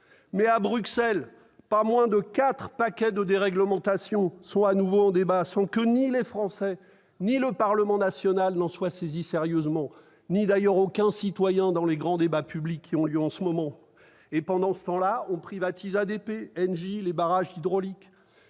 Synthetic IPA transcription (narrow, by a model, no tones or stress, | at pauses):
mɛabʁyksɛl | pamwɛ̃d̪əkʲat̪χpakʲɛd̪əd̪eʁɛɡləmɑ̃t̪asjɔ̃sɔ̃anuvoɑ̃d̪ebasɑ̃kənilefχɑ̃sɛ | niləpaʁləmɑ̃nasjɔnalnɑ̃swasezisɛʁjøzmɑ̃ | nid̪ajœʁokʲɛ̃sit̪wajɛ̃d̪ɑ̃leɡʁɑ̃d̪ebapyblikʲʰːiɔ̃ljøɑ̃səmɔmɑ̃ | epɑ̃d̪ɑ̃sə̥t̪ɑ̃laɔ̃pχivat̪ʰizad̪epeɛnʒilebaʁaʒid̪ʁɔlik